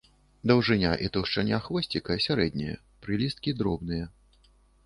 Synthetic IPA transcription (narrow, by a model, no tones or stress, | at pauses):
d̪ɐwʐɨnʲaʔit̪uwʂt͡ʂanʲaxvɔsʲt͡sʲikɐsʲaɾɛd̪ʲnʲijɛ̰ | pɾɨlʲist̪̚kʲid̪ɾɔbnɨjɐ